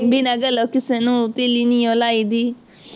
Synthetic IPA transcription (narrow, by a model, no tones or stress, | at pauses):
binaɡalɔkisɛnũt̪ilinĩɔlaidi